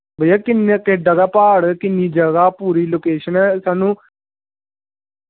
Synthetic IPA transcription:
bəjaːkɪnked͡ʒəɡaːpaːɽkɪnːiːd͡ʒəɡaːpuːɾiːloːkeːʃənɛːsaːnũː

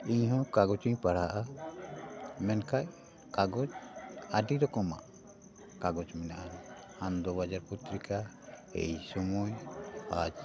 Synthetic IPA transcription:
iɲɦɔ̃kaɡɔt͡ʃiɲpaɽaʔa | mɛnkaj | kaɡɔt͡ʃaɖid̪ɔkɔma̰ʔ | kaɡɔt͡ʃmɛnaʔan | hand̪ɔbad͡ʒaɾput̪ɾika | ɛ̰jsɔmɔjad͡ʒ

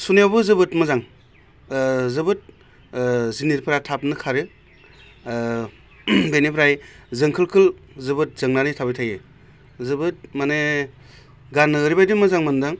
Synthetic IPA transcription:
sunijawbɯzɯbɯtmɯzaŋ | zɯbɯt̚ | ziniɾpʰɯɾatʰap̚nɯkʰaɾɯ | bejnipʰɾajzɯŋkʰɯlkʰɯlzɯbɯt̚zɯŋnanitʰabijtʰaje | zɯbɯt̚mane | ɡanːɯːɾibajdimɯzaŋmɯndɯŋ

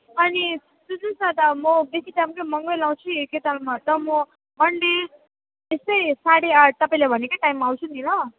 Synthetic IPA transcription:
ʌni | sud͡zusad̪amʌbesiʈajmkemʌŋɡʌjlaw̃t͡sʰĩket̪almat̪ʌmɔ | mʌɳɖi | est̪ʌjsaɽit̪ʌpãj̃lajbʱʌnekaʈajmːaːwt͡sʰunilʌ

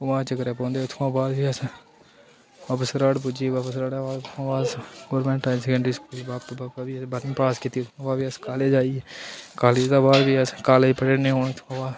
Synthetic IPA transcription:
ʊmãːt͡ʃəkəɾeːpɔ̃ːnd̪eːʊt̪ʰkãːbaːd̪biːəs | baːpəsɾaːɽpʊd͡ʒiːbaːpəsɾaːɽaːbaːzʊt̪ʰãːbaːɡoːɾmɛ̃ːɳʈaːɪnsɛkɛ̃ɳɖɾiːskuːliːbaːp̚t̪õːbaːpabiːəsbəɾnĩːpaːskit̪iːʊt̪ʰkãːbaːd̪biːəskaːleːd͡ʒaːiːɛːkaːled̪aːbaːd̪biːəskaːliːpəʈeːnẽːɦoːnt̪ʰkãːbaːd̪

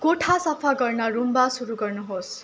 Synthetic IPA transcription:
ɡoʈʰasʌpʰaɡʌrnʌrumbasuɾuɡʌrnuɦos

